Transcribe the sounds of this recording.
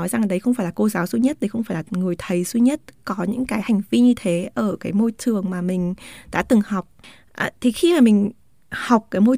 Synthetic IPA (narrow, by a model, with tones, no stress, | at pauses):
ɔ˨˦jza˨˩ŋ˩ɗə˨˦jxə˧ŋ͡mfaː˧˩jlaː˨˩ko˧zaː˨˦wsu˧ɲə˦˥t̚ɗə˨˦jxə˧wŋ͡mfaː˧˩jlaː˨˩ŋɨ˨˩əjt̪ʰə˨˩jswi˧ɲə˦˥t̚kɔ˨˦ɲɨ̰˧˥ŋkaː˨˦jha˨˩jŋ̟vi˧ɲɨ˧t̪ʰe˨˦ʔəː˧˩kaː˨˦jmo˧jt͡ɕ̪ʰɨ˨˩əŋmaː˨˩mï˨˩ŋ̟ɗa̰ː˧˥t̪ɨ˨˩ŋha˨˩wk͡p̚ | ʔa˨˩t̪ʰi˨˩xi˧maː˨˩mï˨˩ŋ̟ | ha˨˩wk͡p̚kːaː˨˦jmo˧j